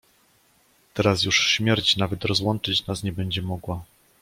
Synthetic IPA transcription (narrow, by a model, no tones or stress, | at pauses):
t̪ɛɾasjuʂɕmʲjɛɾt͡ɕnavɛt̪ɾɔzwɔnt͡ʂɘt͡ɕnasɲɛbɛɲd͡ʑɛmɔɡwa